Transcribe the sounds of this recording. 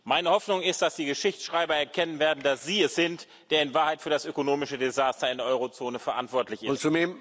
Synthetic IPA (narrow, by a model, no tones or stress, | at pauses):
maɪnəhɔfnʊŋɪst̚d̥asd̥iːɡəʃɪçt͡sʃʁ̥aɪbɐɛɐkʰɛnənveːɐdn̩dasz̥iːɛsz̥ɪnt | d̥eːɐɪnvaːɐhaɪtfyːɐdasʔøkonoːmɪʃədezaːstɐɪndeɛɐʔɔʏʁot͡soːnəfɛɐʔa̰ntv̥ɔɐtlɪçʔɪt͡sumeːm